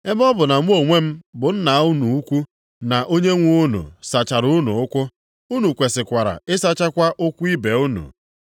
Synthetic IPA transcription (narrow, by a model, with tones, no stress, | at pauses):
e˦bɔ˦bʊ˨na˨ŋʷ˦o˦˨ŋʷe˦m̩˦bʊ˨n̩˦na˨˦u˦nu˨u˦kʷu˦ | na˨ʔo˦ɲe˦ŋʷu˦nṵ˨sa˨t͡ʃa˨ɾʊ˦nṵ˨ʊ˦kʷʊ˦ | u˦nu˨kʷe˨sɪ˨kʷa˨ɾa̰˨ɪ˦sa˦t͡ʃa˦kʷa˦ʔʊ˦kʷu˦i˦be˨u˦nṵ˨